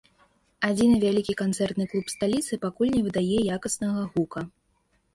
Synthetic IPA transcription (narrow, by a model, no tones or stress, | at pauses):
ad͡zʲinɨvʲalʲikʲikant̪sɛrt̪nɨklˠupst̪alʲit̪sɨpakulʲnʲɛvɨd̪ajɛjakɐsnɐɣɐɣukɐ